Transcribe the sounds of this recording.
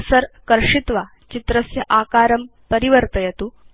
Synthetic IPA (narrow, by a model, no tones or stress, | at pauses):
səɾkəɾʂit̪ʋa | t͡ɕit̪ɾəsjɐʔakaɾəmpəɾiʋəɾt̪əjet̪uː